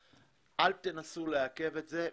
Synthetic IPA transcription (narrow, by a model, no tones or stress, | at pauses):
ʔalt̪enasuleake̞vetze